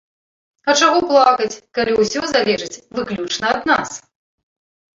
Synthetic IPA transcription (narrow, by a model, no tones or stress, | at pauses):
ɐt͡ʂaɣɔplˠakɐt͡sʲkalʲiwsʲɔzalʲɛʐɨt͡sʲvɨklʲut͡ʂnɐɐd̪na̰s